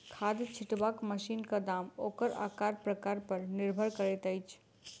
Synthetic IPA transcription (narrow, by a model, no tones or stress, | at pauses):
kʰaːd̪t͡ʃʰɪʈbaːkməʃiːnkad̪aːmoːkəɾa̰ːkaːɾpɾəkaːɾpəɾnɪɾbʱəɾkəɾɛt̪əjt͡ʃʰ